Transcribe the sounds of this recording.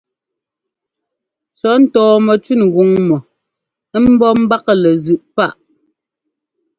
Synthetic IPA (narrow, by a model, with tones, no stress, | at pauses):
t͡sɔ˨˦n̩˦tɔː˨mɔ˨t͡ʃɥi˦˨nɣu˨ŋmɔ˨˦ | m̩˦bɔ˦m̩˦ba˦kə˦˨lɛ˨zʉ˨ʔpa˦˨ʔ